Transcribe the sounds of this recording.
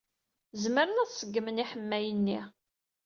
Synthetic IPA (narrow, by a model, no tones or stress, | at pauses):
zməɾənæθsəɡːməniħəmːæjənːi